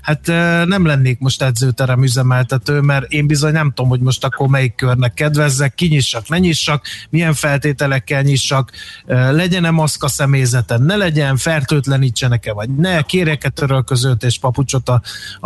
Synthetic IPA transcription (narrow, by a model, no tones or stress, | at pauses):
hat̪ːnɛmlɛnːeːkmo̞ʃt̪ɛd̪zøːt̪ɛɾɛmyzɛmɛlt̪ɛt̪øːmɛɾeːmbizo̞ɲnɛmt̪oːmho̞ɟmo̞ʃt̪ɒkːormɛjikːørnɛkːɛd̪vɛzːɛkːiɲiʃːɒknɛɲiʃːɒkmijɛɱfɛlt̪eːt̪ɛlɛkːɛlɲiʃːɒkølɛɟɛnɛmɒskɒsɛmeːjzɛt̪ɛnɛlɛɟɛnfɛrt̪øːt̪lɛniːt͡ʃːɛnɛkɛvɒɟnɛkeːrjɛkɛt̪øɾølkøzølt̪eːʃpɒput͡ʃot̪ɒ